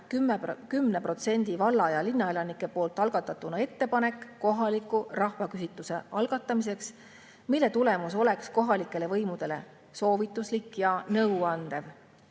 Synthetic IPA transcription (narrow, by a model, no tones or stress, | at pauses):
kymːkymːnepro̞t̪se̞nʲd̪̥ivɑlːɑjɑlinːɑe̞lɑnikːˑe̞po̞ːlt̪ːˑɑlɡ̥ɑt̪ːˑɑt̪ːˑunɑe̞t̪ːe̞pɑne̞kːo̞ɦɑlikːˑurɑhvɑkysit̪ːˑuse̞̰ɑlɡ̥ɑt̪ˑːɑmis̬e̞ks | milːe̞t̪ule̞mus̬o̞le̞ksko̞ɦɑlikːˑe̞le̞vɤjmud̪̥e̞le̞̰ | so̞ːvit̪ːˑuslikːjɑnɤwɑnd̪̥e̞v